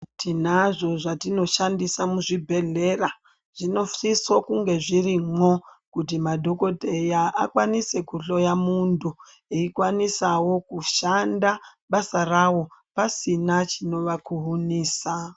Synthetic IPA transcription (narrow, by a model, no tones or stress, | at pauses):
tʰinaʐo̞ʐatino̞ʃandisamuʐibʱe̞ɮe̞ra | ʐ̥ino̞fisokuŋɡe̞ʐirimokut̬imadʱo̞ko̞dʱe̞jaʔa̰kwanise̞kuɬo̞jamuntu | iikwanisawo̞kuʃandaɓasarawo̞pasinat͡ʃino̞ʋakuɦuniːsa